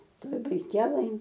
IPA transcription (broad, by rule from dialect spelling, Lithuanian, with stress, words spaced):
ˈtoːj bɐɪˈkʲæːlˠɘj